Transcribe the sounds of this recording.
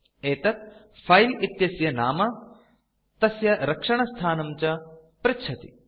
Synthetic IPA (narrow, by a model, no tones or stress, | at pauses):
eːt̪ɐt̪̚ | pʰɐjlit̪jɐsjɐnaːmɐ | t̪ɐsjɐɾɐkʂɐɳɐst̪ʰaːnɐmt͡ʃɐ | pɾɪtːt͡ʃʰɐt̪i